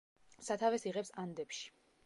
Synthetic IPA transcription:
sat̪ʰavɛsiʁɛpsand̪ɛpʃi̥

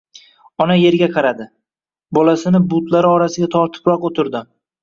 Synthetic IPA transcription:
ɒnaje̞ɾɡʲaqʰɑɾad̪ɪ | bɒlasɪnɪbʊt̪ʰlaɾɪɒɾasɪɡʲat̪ʰɒɾt̪ʰɪ̥pɾɒqot̪ʰɪɾd̪ɪ

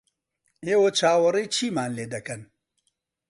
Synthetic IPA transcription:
eːwɐt͡ʃʰaːwɐɾijt͡ʃʰiːmaːnleːd̪ɐkɐn

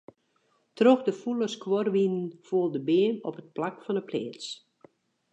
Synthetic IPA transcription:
troxdəfuləskworʋinənfuəlˠdəbɪənɔpət̚plakfɔnəpʰlḛːt͡s

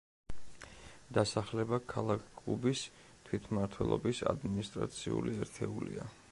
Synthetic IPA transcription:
d̪̥asaχlɛbakʰalˠakʰkʼlˠubis | t̪ʰwit̪ʰmaɾt̪ʰwɛlˠɔbisad̪minist̪ʼɾa̰t̪sʰiṵliɛɾt̪ʰɛulia

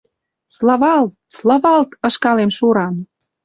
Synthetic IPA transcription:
slɑβɑlt̪̚slɑβɑlt̪ɤ̆ʃkɑlemʃuɾɑm

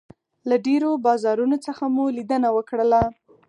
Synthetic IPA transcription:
laɖeɾobɑzɑɾunot͡səxamulid̪ənawəkɽəla

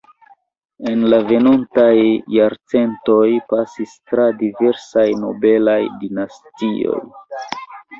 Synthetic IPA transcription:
e̞nlave̞nontajːaɾt͡se̞nto̞jpasistɾadive̞ɾsajno̞be̞lajdinastio̞̰j

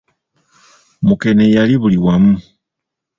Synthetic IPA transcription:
muke̞nejaliβuliwamu

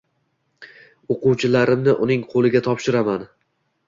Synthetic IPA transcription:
oquwt͡ʃʰɪlaɾɪmnɪʔʊnɪŋqʰolˠɪɡʲat̪ʰɒpʃɪɾaman

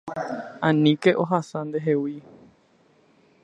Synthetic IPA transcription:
ãnĩke̞ʔoɦasãnd̪eɦewi

